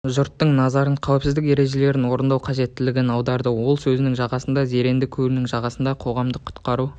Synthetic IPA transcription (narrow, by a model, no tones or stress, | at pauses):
ʒʊɾt̪ːəɴnɑzɑɾəɴqʰæwɪpsɪzd̪ɪke̞ɾe̞ʒe̞le̞ɾɪnwo̞ɾənd̪ɑwqʰɑʒe̞t̪ːɪlɪɡʲenɑwd̪ɑɾd̪əwo̞lˠsɵzɪnɪŋʒɑʁɑsənd̪ɑze̞ɾe̞nd̪ɪkʲʰɵɾɪnɪŋʒɑʁɑsənd̪ɑqʰo̞ʁɑmd̪əqʰːʊ̥t̪qɑɾu